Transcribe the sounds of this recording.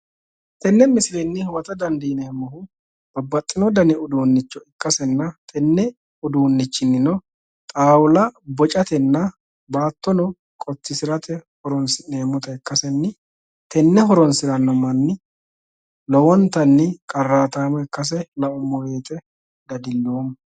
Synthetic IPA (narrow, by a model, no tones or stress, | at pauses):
t̪ɛnːɛmɪsɪlɛnːɪhwɐt̪ɐd̪ɐnd̪ineːmːɔɦʊ | b̥ɐbːɐt̪ʼːɪnɔd̪ɐnɪʊd̪uːnːɪt͡ʃːɔɪkʼːɐsɛnːɐt̪ʰɛnːɛ | ʊd̪uːnːɪt͡ʃːɪnːɪnɔ | t̪ʼaːwʊlɐbɔt͡ʃʼɐt̪ɛnːɐ | baːt̪ːɔnɔ | kʼɔt̪ːɪsɪɾɐt̪ɛhɔɾɔnsɪneːmːɔt̪ɐɪkːɐsɛnːɪ | t̪ʰɛnːɛɦɔɾɔnsɪɾɐnːɔmɐnːɪ | lɔwɔnt̪ɐnːɪkʼɐrːaːt̪aːmɔɛkːɐs̬ɛlɐʔɔmːɔjeːt̪ɛ | d̪ɐd̪ɪlːoːmɐ